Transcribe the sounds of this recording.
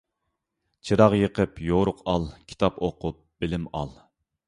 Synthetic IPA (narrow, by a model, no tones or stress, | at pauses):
t͡ʃʰɨɾɑʁjəqəpjoɾʊqɑlˠkʲʰi̥t̪ʰɑpoqʊp̚b̥ɪlɪmɑ̰lˠ